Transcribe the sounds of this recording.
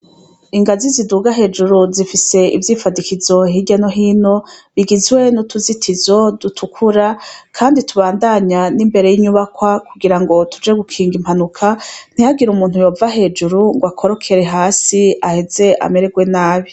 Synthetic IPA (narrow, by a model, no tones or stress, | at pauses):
iŋɡaziziduɡaɦe̞ːd͡ʒuɾuzifise̞ivjiːfadikizo̞ɦiɟanoɦiːno̞βiɡizɡwe̞nutuzitʰizo̞dutʰukʰuɾakʰaːnditʰuβaːndaɲanimbe̞ɾe̞jiɲuβakwakuɡiɾaŋɡo̞tud͡ʒe̞ɡukʰiːŋɡim̥hanukʰan̥ihaɡiɾumuːnhujo̞ːvaɦe̞ːd͡ʒuɾuŋɡwakʰo̞ɾo̞kʰe̞ɾe̞ɦaːsiahe̞ze̞a̰me̞ɾeɡwe̞naːβi